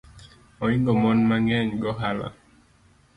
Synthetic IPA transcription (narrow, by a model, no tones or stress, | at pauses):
ɔiŋɡɔmɔnmaŋɛɲɡɔɦala̰